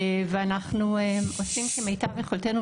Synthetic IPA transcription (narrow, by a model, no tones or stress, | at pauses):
veanaχnuemosimʃemejtaveχolt̪enu